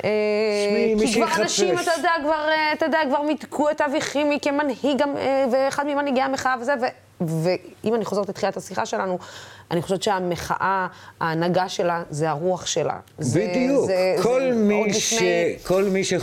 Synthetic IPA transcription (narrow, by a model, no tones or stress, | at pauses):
e | kikvaanaʃimat̪ad̪eakvaʁeat̪ad̪eakvaʁmid̪kʰuet̪aviχimikemanhiɡamveːχad̪mimanhiɡeameχaavezeve | veimaniχo̞ze̞ʁt̪let̪χilat̪hasiχa̰ʃe̞lanuʔaniχo̞ʃevt͡ʃeameχa̰ʔaaːnaɡaʃe̞lazeaʁuaχʃe̞la̰zbidijuzeolmilifneekʰolmiʃe